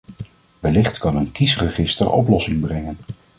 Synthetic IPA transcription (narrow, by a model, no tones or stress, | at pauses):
ʋɛlɪχtkɑnənkisrəχɪstə̰rʔɔ̰plɔsɪŋbrɛŋən